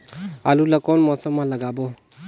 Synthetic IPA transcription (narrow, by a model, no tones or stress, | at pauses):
alulakɔnmɔsəmːãləɡaːbo